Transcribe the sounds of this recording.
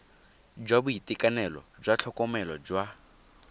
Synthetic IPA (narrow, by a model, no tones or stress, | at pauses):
d͡ʒwabuitikanɛlɔ̰d͡ʒwat͡ɬʰɔkɔmɛlɔd͡ʒwa